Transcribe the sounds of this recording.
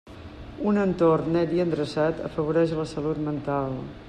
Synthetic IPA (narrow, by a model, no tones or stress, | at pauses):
unənt̪ornːɛt̪iənd̪ɾəsat̪ə̰fəβ̞uɾɛʃləsəlut̪mənt̪alˠ